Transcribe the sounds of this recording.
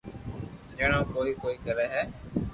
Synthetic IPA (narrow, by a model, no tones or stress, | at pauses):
d͡ʒeːɽ̃ãːkoːiːkoːiːkəɾɛːɦɛː